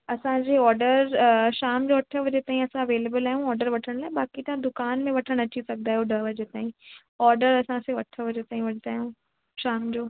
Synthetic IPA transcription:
ɐsãd͡ʑeɔːɾɖəɾʃaːmd͡ʑoːʋɐʈʰəʋɐd͡ʑet̪aːĩɐsãɐʋeːleːbəlaːɦiũɔːɾɖəɾʋɐʈʰəɽ̃laːebaːkit̪ɐãd̪ʊkaːnmẽʋɐʈʰəɽ̃ɐt͡ɕʰisɐɡ̚d̪aːɦjoɖɐʋɐd͡ʑet̪aːĩ | ɔːɾɖəɾɐsãseʋɐʈʰəʋɐd͡ʑet̪aːɦĩʋɐʈʰd̪aːɦijũː | ʃaːmd͡ʑoː

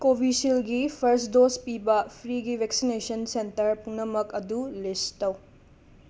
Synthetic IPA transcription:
kobʱisilɡipʰɐɾsdospibɐpʰɾiɡibʱeksinesɐnsentɐɾpuŋnɐmɐkɐdulistɐw

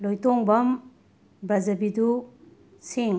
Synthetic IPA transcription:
lojtoŋbɐm | bɾɐzɐbidu | siŋ

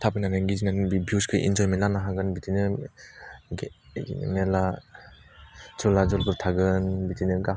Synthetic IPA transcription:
tʰabɯnanɯŋɡizinanɯbibiuskʰɯʔḭnd͡ʒɔjmelanaɦaɡɯnbitinɯ | ɡmela | t͡ʃʰɔlad͡ʒɔlbɯɾtʰaɡɯnbitinɯɡa

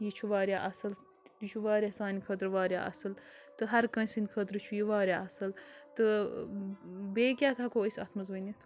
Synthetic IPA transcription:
jit͡ʃʰuʋaːɾʲjaːʔɐsɨl | jit͡ʃʰuʋaːɾʲjaːsaːnʲikʰɐt̪ɾʋaːɾʲja̰ːʔɐ̰sɨlt̪ɨɦɐɾkɐ̃nʲsinʲkʰət̪ɾɨt͡ʃʰujiʋaːɾʲjaːɐsɨlt̪ɨ | beːkʲaːkakoːəsʲɐ̰t̪ʰmɐzʋɐnʲit̪ʰ

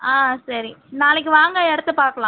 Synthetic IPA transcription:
aːsɐɾinaːlɪk̬ːɯʋaːŋɡɐɛɽɯt̪ːɯpaːɾkɐɭlãː

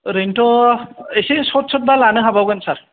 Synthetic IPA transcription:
ɾentɔesesɔt̚sɔt̚balanɯɦabawɡɯnsaɹ

